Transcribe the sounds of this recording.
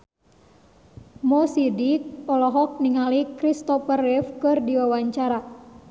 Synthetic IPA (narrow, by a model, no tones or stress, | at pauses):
mɔsidik̚ɔlɔɦɔk̚niŋalikɾist̪ɔpərɛfkɨrdiwawaɲt͡ʃaɾa